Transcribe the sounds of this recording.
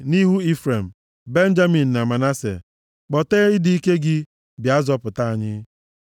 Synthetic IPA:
ni˦ɦu˦i˦fɾe˨m̩˨ | be˦n̩˦d͡ʒa˦mi˨n̩˨na˨ma˨na˦sḛ˨ | k͡pɔ˨teː˦ɪ˦di˨i˦ke˦ɡɪ˦ | bja˦zɔ˦pʊ˨ta˦a˨ɲɪ˦

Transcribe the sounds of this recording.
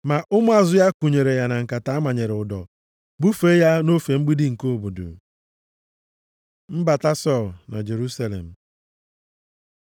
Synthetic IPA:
ma˨ʔʊ˦mʊ˦a˨zʊ˦ja˦ku˨ɲe˨ɾe˨ja˨na˨ŋ̩˨ka˨ta˨˦a˦ma˨ɲe˨ɾe˨ʊ˨dɔ̰˨ | bu˦fe˦ja˦no˦fe˨ŋ͡m̩˦ɡ͡bi˦dɪ˦ŋ̩˨ko˦˨bo˨dʊ̰˨ | m̩˦ba˨ta˦sɔ˦˨lna̰˨d͡ʒe˨ɾu˦sa˦lḛ˨m̩˨

